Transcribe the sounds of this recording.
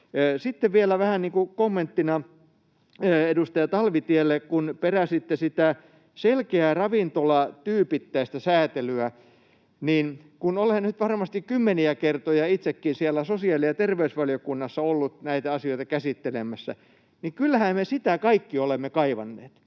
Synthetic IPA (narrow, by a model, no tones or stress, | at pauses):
sit̪ːeʋʋielæʋæhænniːŋkukomːent̪ːinɑ | øːedust̪ɑjɑt̪ɑlʋit̪ielːekkunperæsit̪ːesit̪æ | selkeærɑʋint̪olɑt̪yːpit̪ːæist̪æsæːt̪elyæ | niːn | kunolhennyt̪ʋɑrmɑst̪ikkymːeniækert̪ojɑit̪sekːinsiælːˑæsosiɑːliɑt̪erʋeysʋɑljokunːɑsːɑolːut̪næit̪æɑsioit̪ɑkæsit̪ːelemˑæsːæ̰ | niŋkylːæhæmmesit̪ækɑikːiolemːekɑiʋɑ̰nːḛːt̪